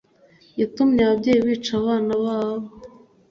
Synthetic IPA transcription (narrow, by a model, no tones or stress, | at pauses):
jitumɲaβabɟeːjiβiːt͡ʃaβaːnaβaːβo